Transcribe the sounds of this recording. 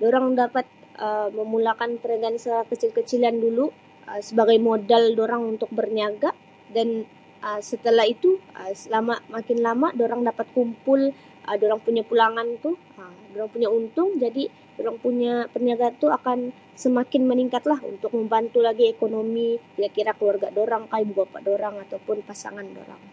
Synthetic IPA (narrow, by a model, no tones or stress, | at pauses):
doɾaŋdapat̪̚ | ʔəməmulakanpəɾaɡansəkət͡ʃɪlkət͡ʃilandulu | ʔəsəbaɡajmodaldoɾaŋunt̪ʊk̚bərniaɡa | dan | ʔəsət̪əlaɦit̪uəlamamakɪnlamadoɾaŋdapat̪̚kumpʊl | ʔədoɾaŋpuɲapulaŋant̪uh | əmdoɾaŋpuɲaunt̪ʊŋd͡ʒadi | doɾaŋpuɲapərniaɡaːnt̪uakan | səmakɪnməniŋkat̪laɦṵnt̪ʊk̚məmbant̪ulaɡiekonomikiɾakiɾakəluarɡadoɾaŋkajibəbapa̰ʔdoɾaŋat̪awpʊnpasa̰ŋando̰ɾa̰ŋ